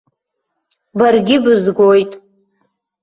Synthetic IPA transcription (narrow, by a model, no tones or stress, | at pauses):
barɡʲɪbɨzɡʷojtʼ